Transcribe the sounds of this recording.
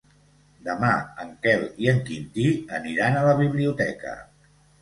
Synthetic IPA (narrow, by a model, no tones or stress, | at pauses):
d̪əmaəŋkɛliəŋkind̪iəniɾanələβ̞iβliut̪ɛkə̰